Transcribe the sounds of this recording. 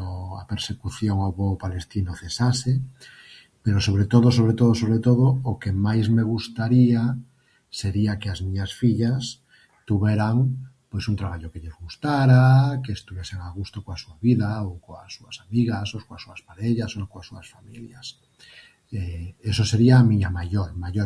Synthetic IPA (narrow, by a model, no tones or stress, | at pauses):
oa̰peɾsekuθjoŋaβopalest̪inoθesase | peɾosoβ̞ɾet̪oðos̬oβ̞ɾet̪oð̞osoβɾet̪oð̞ookemajzmeɣ̞ust̪aɾia | seɾiakeazmiɲasfiʎas | t̪uβeɾaŋpwesunt̪ɾaβ̞aʎokeʎezɣust̪aɾakeːst̪uβjeseŋaɣ̞ust̪okoasuaβiðaokoasuasamiɣasokoasuaspaɾeʎasokoasuasfamiljas | eesoseɾiaːmĩɲamaʝoɾmaʎoɾ